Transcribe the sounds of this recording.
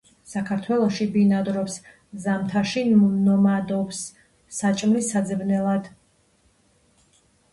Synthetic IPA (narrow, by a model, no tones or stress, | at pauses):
sakʰaɾt̪ʰwɛlˠɔʃibinad̪ɾɔps | zamt̪ʰaʃinɔmad̪ɔpsː | at͡ʃʼmnisad̪zɛbnɛlˠad̪